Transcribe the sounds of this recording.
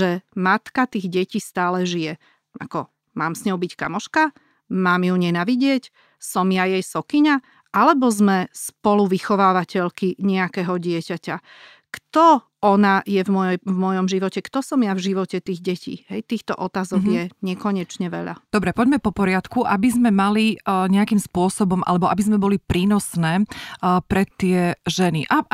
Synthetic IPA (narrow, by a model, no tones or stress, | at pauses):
ʒɛmat̪kat̪iːɣɟɛciːst̪aːlɛʒijɛ | ʔa̰kɔ | maːmsɲɔʊbicka̰mɔʃka | maːmjuɲɛnaːʋiɟɪɛc | sɔmjajɛjsɔkiɲa | ʔalɛbɔzmɛspɔluʋixɔʋaːʋacɛʎkiɲɛakɛɦɔɟɪɛcaca | kt̪ɔ | ɔnajɛvmɔjjvmɔjɔmʒiʋɔcɛkt̪ɔsɔmjavʒiʋɔcɛt̪iːɣɟɛcḭːɦɛjt̪iːxt̪ɔ̰ʔɔt̪aːzɔɡjɛɲɪɛkɔɲɛt͡ʃɲɛʋɛ̰ʎa̰d̪ɔbɾɛpɔɟmɛpɔpɔɾɪat̪kuʔabizmɛmaliɲɛakimspʊɔsɔbɔmʔa̰lɛbɔʔa̰bizmɛbɔlipɾiːnɔsnɛːpɾɛt̪ːɪɛʒɛniʔa